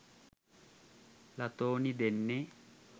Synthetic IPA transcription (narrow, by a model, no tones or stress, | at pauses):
lɐt̪oːnid̪ɛnːe